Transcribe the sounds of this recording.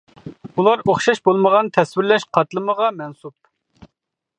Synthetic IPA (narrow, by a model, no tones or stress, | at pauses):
ulˠɑɾoχʃɑʃbolˠməʁɑnt̪ʰɛswɪɾlɛʃqʰɑt̪lˠɨməʁɑmɛnsup̚